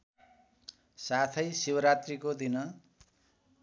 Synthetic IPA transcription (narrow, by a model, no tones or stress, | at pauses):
sat̪ʰʌjsiwʌɾat̪rikod̪inʌ